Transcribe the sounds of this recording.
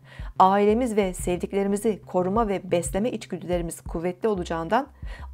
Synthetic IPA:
aːilʲe̞mizvɛsɛvd̪iclʲe̞ɾimizikʰo̞ɾumavɛbɛslʲe̞mɛʔit͡ʃɟyd̪ʰylʲe̞ɾimiz̥kʰuvːɛt̪lʲio̞lˠud͡ʒaɯnd̪an

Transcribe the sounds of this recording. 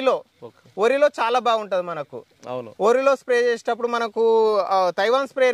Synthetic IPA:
lo̞ː | oːɾilo̞ːt͡ʃaːlaːbaːɡuɳʈɐːd̪imɐnɐkṵ | oːɾiloːspɾeːt͡ʃeːsinɐpːuɽumɐnɐkut̪ɐjʋaːnspɾeɾ

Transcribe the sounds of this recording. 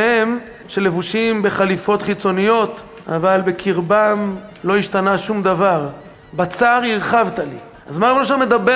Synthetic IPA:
em | ʃe̞le̞vuʃimbe̞χalifo̞t̪χit͡so̞nijo̞t̪ | a̰valbe̞kʰiʁbanlo̞iʃt̪anaʃumd̪avaʁ | bat͡saʁiʁχavt̪ali | azmabonoʃaʁmed̪abe

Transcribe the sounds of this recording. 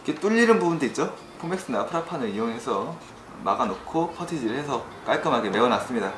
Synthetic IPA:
iket͈uʎːiɾɯnbubundoit̚t͡ɕ͈o | pʰome̞ks͈ɯnapʰɯɾapʰanɯɾijoŋɦe̞sʰʌ | ma̰ɡanokʰopʰʌtʰid͡ʑiɾɯɭhesʰʌ | k͈aɭk͈amaɡeme̞ɡʌnas͈ɯmɲida

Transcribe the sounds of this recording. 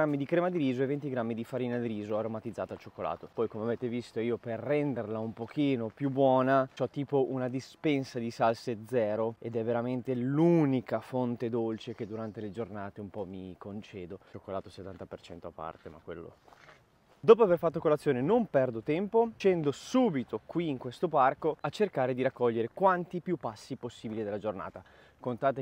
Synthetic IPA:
amːid̪ikɾeːmad̪iɾiːzoevent̪iɡɾamːid̪ifaɾiːnad̪iɾiːzoaɾomat̪id̪ːaːt̪alt͡ʃokːola̰ːt̪opɔjkomeaveːt̪evist̪oiːoperːɛnd̪erlaumpok̟iːnopjubwɔːnat͡ʃɔt̪ːiːpoʔunad̪ispɛnsad̪isalsed̪zɛːɾoed̪ɛvːeɾament̪elunikafont̪ed̪olt͡ʃek̟ed̪uɾant̪eled͡ʒornaːt̪eumpɔmːikont͡ʃɛːd̪ookːolaːt̪oset̪ːant̪apert͡ʃɛnt̪oapːa̰rt̪ema̰kːwḛlːo̰ | d̪oːp̬oaverfat̪ːokolat̪sːjoːnenompɛrd̪ot̪ɛmpot͡ʃɛnd̪osuːbit̪okwiːŋkwest̪oparkoat͡ʃːerkaːɾed̪iɾakːɔʎːeɾekwant̪ipjupːasːiposːiːbilid̪elːad͡ʒorna̰ːt̪a | kont̪aːt̪e

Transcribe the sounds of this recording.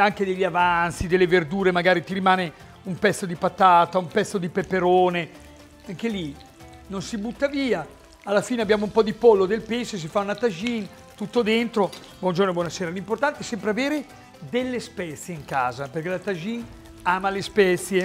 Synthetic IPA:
aŋked̪eʎːavant̪sid̪elːeverd̪uːɾemaɡaːɾit̪iɾimaːne | umpɛt̪sːod̪ipat̪aːt̪aumpɛt̪sːod̪ipepːeɾoːne | aŋkeli | nonsibut̪ːaviːaː | lːafiːneabːjaːmoumpɔd̪ipolːod̪elpesos̬ifaunat̪ad͡ʒin | t̪ut̪ːod̪ent̪ɾo | bwɔnd͡ʒornobwɔnaseːɾalimport̪ant̪eɛsɛmpɾeaveːɾe | d̪elːespɛt̪sjeiŋkaːzaperkelat̪ad͡ʒin | aːmalespɛt̪sje

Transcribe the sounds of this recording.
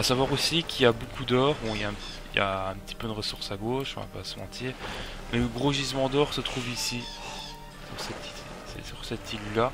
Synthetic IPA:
asavwaʁosikʲʰijabokʰud̪ɔːʁbɔ̃iljaɛ̃p | ilja̰ɛ̃pt̪i̥pød̪əʁəsuʁsaɡoːʃɔ̃va̰pa̰səmɑ̃t̪ʰiʁ | mɛləɡʁoʒizmɑ̃d̪ɔʁsət̪χuvisi | syʁsɛt̪i̥e | sɛ̰syʁsɛt̪ʰilyla

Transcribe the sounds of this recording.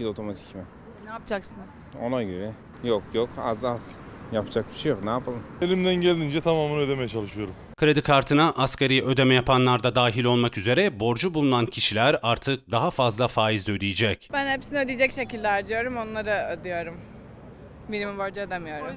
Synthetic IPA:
ilo̞t̪ʰo̞mat̪ʰi̥cmɛ | naapd͡ʒaksɯnɯz̥ | o̰lˠajɟibɪ | jokjokʰa̰zazjapʰd͡ʒak̚biʃejoknaːapʰalˠɯmelʲimd̪ænɟelʲd̪ind͡ʒɛt̪ʰamaːmɯnød̪e̞mejɛt͡ʃʰalˠɯʃɯjo̞ɾum | kɯɾed̪ikʰaɾt̪ʰɯnaʔːscaɾijɛʔø̞d̪emɛjapʰanlˠaɾd̪ad̪aːɦilʲo̞lˠmakyze̞ɾɛbo̞ɾd͡ʒubulˠunancʰiʃilʲæɾaɾt̪ʰɯk̚d̪aɦafazlˠafaːjizd̪ød̪ijid͡ʒɛcb̥ænhepsiniød̪ijd͡ʒɛcʃe̞cilʲːæɾd̪ijo̞ɾumo̞nlˠaɾɯød̪ijo̞ɾum | milʲimiboɾd͡ʒad̪emijo̞ɾum

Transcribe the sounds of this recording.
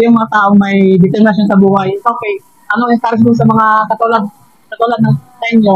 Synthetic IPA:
jʊŋmɐŋat̪aːʔo̞ŋmɐjd̪ɪt̪ɛnɐʃ̬asɐbuːhajʔoːkɛj | ʔɐnoŋɪsk̪aɾs̬d̪ʊns̬ɐmɐŋakɐt̪ulad̪̚ | kɐt̪ʊlad̪nɐŋsɐʔɪnːo

